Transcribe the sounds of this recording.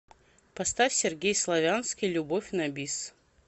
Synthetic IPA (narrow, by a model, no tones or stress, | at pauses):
pɐst̪afʲsʲɪrɡʲejslˠɐvʲanskʲijlʲʊbofʲnɐbʲis